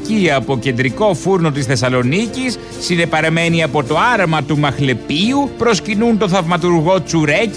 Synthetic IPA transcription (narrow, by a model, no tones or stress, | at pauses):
ciɐpo̞ce̞nd̪ɾiko̞fuɾno̞t̪isθe̞sɐlo̞nicisː | inepɐɾɐme̞niɐpo̞t̪o̞ɐɾɐmɐt̪umɐxle̞piupɾo̞scinunt̪o̞θɐvmɐt̪uɾɣo̞t͡suɾe̞c